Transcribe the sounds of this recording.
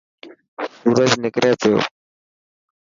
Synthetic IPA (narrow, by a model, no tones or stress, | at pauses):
suːɾəd͡ʒnɪkɾeːt̪ʰo̰ː